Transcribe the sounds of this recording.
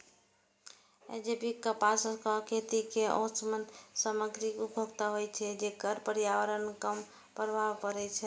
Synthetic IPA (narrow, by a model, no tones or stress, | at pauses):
ḛd͡ʒepikəpaskəkʰet̪ikeɔ̰̃smənd̪səməɡɾiubʱəɡt̪aɦojt͡ʃʰɛd͡ʒekəɾpəɾjawəɾənkəm | pɾəbʱaʋpəɾɛt͡ʃʰɛ